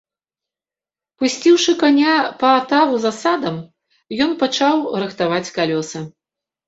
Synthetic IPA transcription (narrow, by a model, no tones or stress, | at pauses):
pusʲt͡sʲiwʂɨkanʲapɐːt̪avuzasad̪ɐm | jɔnpat͡ʂawɾɨxt̪avat͡sʲkalʲɔsɨ